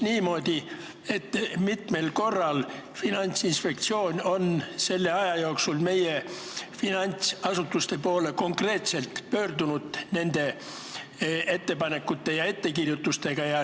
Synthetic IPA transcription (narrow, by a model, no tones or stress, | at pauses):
niːmo̞ːd̪̥ʲi | e̞t̪ːmit̪me̞lko̞rːɑl | finɑnʲt̪sinspe̞k̚t̪sio̞ːnʲo̞nse̞lːe̞ɑjɑjooksulme̞je̞finɑnʲt̪sɑsut̪ːˑust̪e̞po̞ːle̞ko̞ŋkre̞ːt̪se̞lt̪pøːrd̪unud̪̥ne̞nd̪̥e̞ | e̞t̪ːe̞pɑne̞kːut̪ːe̞jɑe̞t̪ːe̞kirjut̪ːˑust̪e̞ɡ̥ɑjɑ